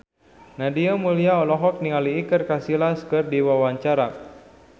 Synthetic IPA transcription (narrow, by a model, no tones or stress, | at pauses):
nadiamuliaɔlɔɦɔk̚niŋaliːkɨrkasilaskɨrdiwawaɲt͡ʃaɾa